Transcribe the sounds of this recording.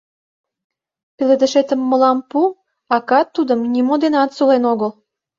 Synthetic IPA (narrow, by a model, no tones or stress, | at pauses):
piled̪ə̆ʃet̪əmːəlɑmpu | ɑkɑt̪ːud̪əmnʲimod̪enɑt̪sulenoɣəl